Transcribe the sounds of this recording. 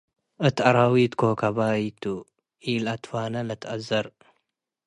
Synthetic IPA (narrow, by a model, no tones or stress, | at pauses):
ʔɨt̪ʰʔaɾawit̪kʰokʰaβajit̪ʰːu | ʔilat̪fanɐlɐt̪ʰʔɐzɐɾ